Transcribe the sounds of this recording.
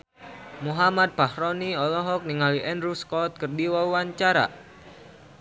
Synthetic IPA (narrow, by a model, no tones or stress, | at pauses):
muɦamat̪̚b̥ahɾɔniɔlɔɦɔk̚niŋaliʔɛnɾuskɔt̪̚kərdiwauwaɲt͡ʃaɾa̰